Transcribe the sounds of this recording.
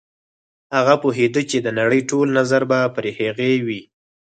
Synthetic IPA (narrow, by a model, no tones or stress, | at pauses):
haɣapoɦed̪ət͡ʃed̪ənaɽəjʈolnazaɾbapɾeheɣewi